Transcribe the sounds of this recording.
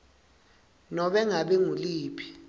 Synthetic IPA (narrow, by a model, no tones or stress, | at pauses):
nɔɓɛŋaɓɛŋuliːpʰi̥